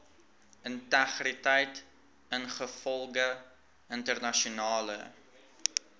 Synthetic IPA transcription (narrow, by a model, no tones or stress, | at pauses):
əntæχritɛjt | ənχəfɔlˠɡə | əntərnɐʃunɑːlə̰